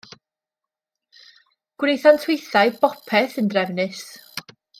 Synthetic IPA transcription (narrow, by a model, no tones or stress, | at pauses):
ɡ̥wnejθantʰɪjθaɨbɔpʰɛθəndrɛvnɨs